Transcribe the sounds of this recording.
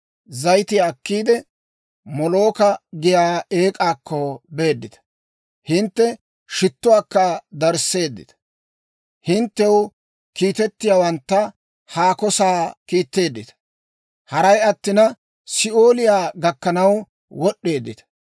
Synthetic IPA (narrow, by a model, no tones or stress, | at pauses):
zɐjt̪ɪjaːkːiːd̪ɛ | mɔlo̞ːkɐɡɪjaːeːkʼaːkʰːɔbe̞ːd̪ːɪt̪ɐ̥ | hɪnt̪ːɛ | ʃɪt̪ːʊwaːkːɐd̪ɐɾse̞ːd̪ːɪ̰t̪ɐ̥ | hɪnt̪ːɛw | kiːt̪ɛt̪ːɪjaːwɐnt̪ːɐ | haːkɔsaːkiːt̪ːe̞ːd̪ːɪt̪ɐ̥ | hɐɾɐjɐt̪ːɪnɐ | sɪʔo̞ːlɪjaːɡɐkːɐnɐw | wɔɗːe̞ːd̪ːɪt̪ɐ̥